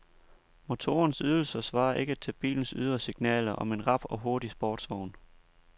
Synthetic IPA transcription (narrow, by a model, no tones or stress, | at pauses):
mo̝t͡sʰo̝̰ːɐnsyð̞ˠl̩sɐsʋɑ̈ːɐʔe̝ɡ̥ət͡sʰeb̥ḭːln̩syð̞ˠɐsiɡ̥nɛ̰ːlɐʔɒ̽me̝nʁɑ̈b̥ɒ̽ɦo̝ɐɾisb̥ɒːd̥sʋɒʊ̰n